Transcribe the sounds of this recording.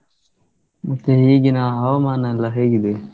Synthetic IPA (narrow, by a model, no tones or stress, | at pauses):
mɐt̪ːeɦiːɡinaɦɐʋɐmaːnɐɐlːɐɦeːɡid̪e